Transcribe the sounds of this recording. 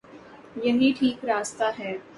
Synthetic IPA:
jɐɦiʈʰiːkɾaːst̪aɦɛː

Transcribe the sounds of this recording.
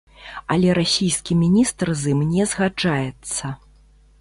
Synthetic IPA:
ɐlʲɛɾasʲijskʲimʲinʲist̪rzɨmnʲɛzɣad͡ʐajɛt̪sːɐ

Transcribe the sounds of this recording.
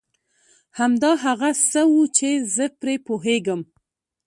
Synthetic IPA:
hamd̪ɑɦaɣasəwut͡ʃezəpɾepoɦeɡəm

